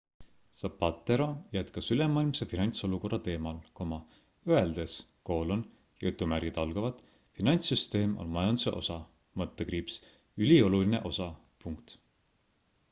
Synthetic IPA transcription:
sɑpːɑt̪ːˑeɾojæt̪kɑsylemːɑːilmsefinɑnʲt̪so̞luko̞rːɑt̪e̞ːmɑlkomɑ | øe̞ld̪̥esko̞ːlon | jut̪ːˑumærɡ̥it̪ɑlɡ̥ɑvɑt̪ˑ | finɑnʲt̪syst̪e̞ːmʔo̞̰lmɑjɑnd̪use̞̰ʔo̞̰sɑ | mɤt̪ːekriːps | ylʲio̞luline̞ʔo̞sɑ | puŋkt̪

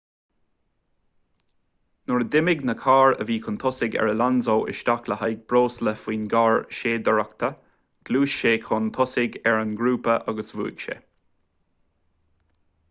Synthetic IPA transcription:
nʊɹd̪ɪmɪɡnəkʰaːɹə̰viːkʰʊnt̪ʰɔsɪɡɛ̰ɹəlanzoːʔɪ̰ʃt̪akləhajɡ̚bɹoːsləfwiːnɡaːɹʃeːd̪əɹakt̪ʰə | ɡ̥luːʃʃeːkʰʊnt̪ʰɔsɪɡɛɹənɡɾuːpəʔaɡəsvṵːɡ̥ʃɛ̰

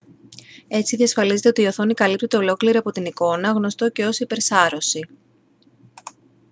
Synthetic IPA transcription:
e̞t͡siðiɐsfɐlize̞t̪eo̞t̪ioθo̞nikɐlipt̪et̪e̞o̞lo̞kliɾiɐpo̞t̪iniko̞nɐɣno̞st̪o̞ce̞o̞sipe̞ɾsɐɾo̞si

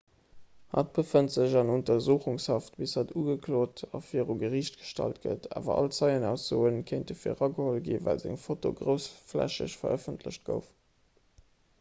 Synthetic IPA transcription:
hɑ̰t̚b̥əfəntz̥əʑɑnontɐzuːχuŋshɑftbishɑtuːɡəkʰloːtʰɑ̰fiːəʁuɡəʁiːɕt̚ɡ̥ə̥ʃtɑ̰lt̚ɡə̰tʰa̰ːvɐ̰ʔɑ̰lt͡sɑɪənæʊsz̥oːənkʰeɪntdəfiːəʁɑɡəholɡḭːvæ̰lzæ̰ŋfoto̰ɡʁəʊsflæ̰ɕə̰ɕfɐəfəntʰlə̰ɕt̚ɡ̥ə̰ʊf

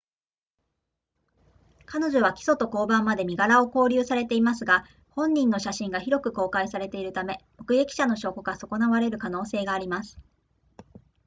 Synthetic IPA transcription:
kano̞ʑo̞β̞akʲi̥so̞t̪o̞ko̞ːbãmːad̪e̞mʲiɡaɾao̞ko̞ːɾʲɯːsaɾe̞t̪e̞imasɨɡa | hõ̞ɲ̟ːĩnːo̞ɕaɕĩŋɡaçiɾo̞kɯ̟ko̞ːkaisaɾe̞t̪e̞iɾɯ̟t̪ame̞mo̞kɯ̟ɡe̞kʲi̥ɕano̞ɕo̞ːkoɡaso̞ko̞naβaɾe̞ɾɯ̟kano̞ːse̞ːɡaːɾʲimasɨ̥

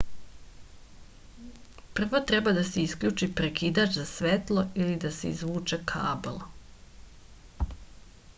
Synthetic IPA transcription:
pr̩ʋot̪ɾebad̪aseiskʎuːt͡ʃipɾekiːd̪at͡ʃzasʋet̪lˠo̞ilid̪aseḭzʋuːt͡ʃekʰaːbelˠ

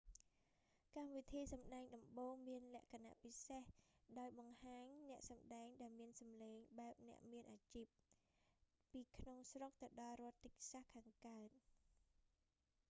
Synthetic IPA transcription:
kamʋit̪ʰiːsɑmɗaɛŋɗɑmɓoːŋmiənlɛ̆əʔkʰana̰ʔpisehɗaɔjɓɑŋhaːɲnɛ̆əʔsɑmɗaɛŋɗaɛlmiənsɑmleːŋɓaɛp̚nɛ̆əʔmiənʔaːt͡ɕiːp̚ | iːkʰnoŋsrok̚t̪ɨwɗɑlrŏət̪ːɨc̚sahkʰaːŋkaət̪̚

